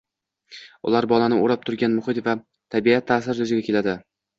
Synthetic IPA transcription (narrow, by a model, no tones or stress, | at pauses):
ʊ̰laɾbɒlanɪoɾap̚t̪ʰʊɾɡʲanmʊχɪt̪va | t̪ʰabiat̪ʰːaːsɪɾj̪ʊzɪɡʲakʲe̞lad̪ɪ